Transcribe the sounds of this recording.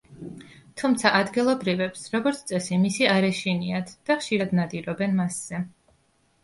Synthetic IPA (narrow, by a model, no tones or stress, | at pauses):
t̪ʰumt̪sʰaʔad̪ɡilˠɔbɾivɛpsɾɔɡɔɾt̪sʰt̪ʼɛsimisiaɾɛʃiniat̪ʰd̥̪aχʃiɾad̪nad̪iɾɔbɛnmasz̥ɛ